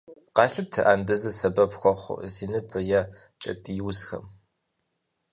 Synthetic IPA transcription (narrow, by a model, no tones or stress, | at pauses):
qɑːɬɨtʰɨʔaːndɨzɨsɐbɐpxʷɔχʷʊ̰ziːnɨbʰɐjɐ | t͡ʃʼɐ̰tʼijwzxɐ̰m